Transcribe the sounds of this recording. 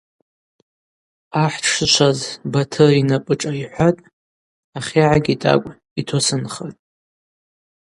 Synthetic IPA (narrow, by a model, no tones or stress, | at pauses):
aħʷʈ͡ʂʰʂɨt͡ʃʷʰazbatʰɨrinapʼɨʈ͡ʂʼaiħʷatʼ | aχʲiʕaɡʲitʼa̰kʷʼ | itʰosɨnχatʼ